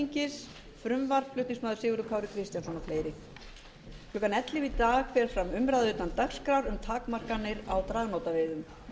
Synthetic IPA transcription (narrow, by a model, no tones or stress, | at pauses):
ɲcɪs | fɾʏmvaɾ̥v̥pʰlʏht̪niŋsmaːðʏ̥ɾsɪːɣʏɾʏkʰaːwɾɪkʰɾɪst̪jansɔnafleːjɾɪ | klʏːkanɛt̪lɪvit̪aːɣkfvɛɾ̥fɾamʏmɾaðʏːt̪ant̪axskɾawɾʏmt̪ʰaːkmar̥kanːɪɾawt̪ɾaːɣnoːwt̪avɪːðʏm